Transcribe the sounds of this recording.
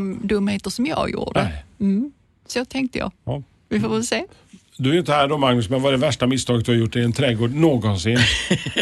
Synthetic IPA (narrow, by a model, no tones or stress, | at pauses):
md̪ɵmːheːt̪əʂɔmjɑ̰ːjṵːɖ̪ə̰ɛ | sot̪ʰɛŋk̚t̪əjɑ̰ː | vɪfoːvɛlseː | d̪ɵɛɾjʏnt̪əhæːɖɔmaŋnɵsmɛnvaɖɛvæʂʈamɪst̪ʰɑːɡət̪̚d̪ɵhaɾjʊʈːɛɪɛnt̪ʰɾɛɡoːɖnoːɡɔnsɪn